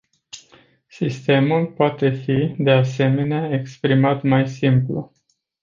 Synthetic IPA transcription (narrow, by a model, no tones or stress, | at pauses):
sist̪e̞mulpoat̪e̞fid̪e̞ase̞me̞neaekspɾimat̪majsimplṵ